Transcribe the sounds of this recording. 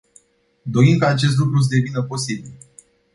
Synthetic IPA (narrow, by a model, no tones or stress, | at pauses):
d̪o̞imkəat͡ʃe̞s̬t̪lukɾus̬əd̪e̞vinəpo̞sibil